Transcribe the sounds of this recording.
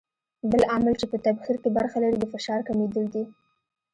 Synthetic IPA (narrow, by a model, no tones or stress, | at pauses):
bəlamalt͡ʃepət̪abxiɾkebaɾxalaɾid̪əfɪʃɑɾkamed̪əld̪i